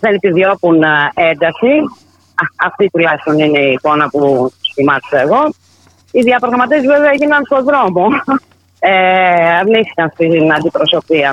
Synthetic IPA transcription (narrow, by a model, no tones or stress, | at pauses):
ðenepiðio̞pune̞nd̪ɐsi | ɐft̪it̪ilɐsonineiko̞nɐpusθimɐt̪isɐːɣo̞ | iðiɐpɾɐɣɐmɐt̪̬ezveveɐeʝinɐnst̪o̞ðɾo̞mo̞ | eɐvniθi̥kɐnst̪inɐnd̪ipɾo̞so̞piɐ